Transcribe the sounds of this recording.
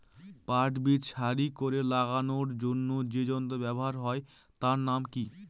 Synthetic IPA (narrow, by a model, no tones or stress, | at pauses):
paɾʈbitʃaɾikoɾelaɡanoɾd͡ʑonːod͡ʑed͡ʑont̪obɛboɦaɾɦɔe | t̪aɾnamki